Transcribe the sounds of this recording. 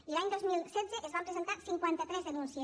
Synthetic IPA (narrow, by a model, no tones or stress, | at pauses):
elaɲd̪ozmilsɛt̪zeʔezβapɾesent̪aɾsiŋkwent̪at̪ɾezðenũnsje